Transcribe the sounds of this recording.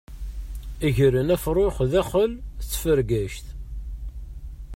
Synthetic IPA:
iʝəɾənæfɾˤoχðæχəlt͡sːfəɾɡæʃt̪

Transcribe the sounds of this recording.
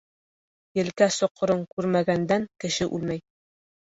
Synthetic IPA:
jɘ̆lkæsŏqːŏɾɤŋkʉɾmæɡænd̪æŋkɘ̆ʃɘʔʉ̰lmæj

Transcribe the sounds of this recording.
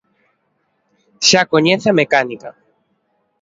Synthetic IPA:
ʃakoɲeθamekanika

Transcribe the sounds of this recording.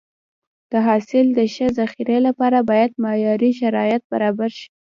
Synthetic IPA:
d̪̥əɦɑsɪld̪əʃəzaxiɾelapɑɾabɑjad̪̚mɑjɑɾiʃaɾɑjat̪̚ba̰ɾɑbaɾʃi̥

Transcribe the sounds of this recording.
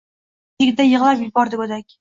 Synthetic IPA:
t̪ʰeɡʲɪd̪ajɨʁlˠapjɪbɒɾd̪ɪkɵd̪akʲ

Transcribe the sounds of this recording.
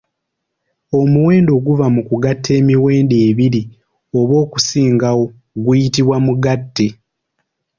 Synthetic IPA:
o̞muwe̞ːndo̞ɡuvamukuɡatʰːe̞ːmiwe̞ːndeːβiɾi | o̞βo̞ːku̥siːŋɡawo̞ | ɡujitiβwamuɡatːe̞

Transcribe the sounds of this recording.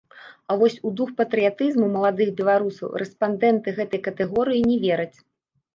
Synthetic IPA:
avɔsʲud̪uxpɐt̪ɾɨjat̪ɨzmuwmɐlˠad̪ɨxbʲɛlˠaɾusɐ̰wrʔɛspand̪ɛnt̪ɨɣɛt̪ɐjkɐt̪ɛɣɔɾɨjinʲɛvʲɛɾɐt͡sʲ

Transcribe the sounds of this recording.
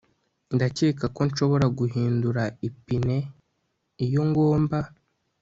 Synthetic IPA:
ndaceːkako̞nʃo̞βo̞ɾaɡuɦiːnduɾaipine̞ | ijo̞ŋɡo̞ːmba

